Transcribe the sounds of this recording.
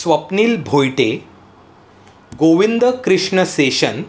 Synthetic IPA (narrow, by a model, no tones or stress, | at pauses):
sʋəpniːlbʱojʈe | ɡoʋind̪əkɾiʂɳəseɕən